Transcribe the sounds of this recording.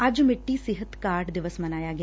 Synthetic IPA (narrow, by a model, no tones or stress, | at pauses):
ɐd͡ʒmiʈːiːsiɦɐt̪kaːɾɖd̪iʋɐsmɐnaːjaːɡ